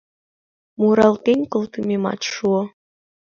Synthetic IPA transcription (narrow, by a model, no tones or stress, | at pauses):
muɾɑlt̪enʲkɤ̆lt̪ɤmʲemɑ̰t̪ʃuɤ̆